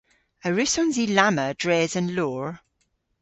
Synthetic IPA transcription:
əɹʉsɔnzilaməd̥ɹɛːzə̃nlɔːɹ

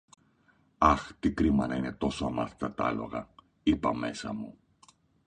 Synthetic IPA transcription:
ɐxt̪ikɾimɐnɐine̞t̪o̞soɐmɐθet̪ɐt̪ɐ̰lo̞̰ɣɐ | ipɐme̞sɐmu

